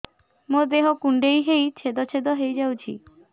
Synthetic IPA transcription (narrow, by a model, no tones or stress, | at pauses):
mod̪eɦokuɳɖejɦejt͡ɕʰed̪ɔt͡ɕʰed̪ɔɦejd͡ʑawt͡ɕʰḭ